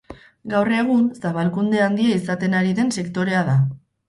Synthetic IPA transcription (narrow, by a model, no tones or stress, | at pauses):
ɡawre̞ɣ̞unsaβalkund̪e̞and̪iaisat̪e̞naɾiðe̞nse̞kt̪o̞ɾe̞aða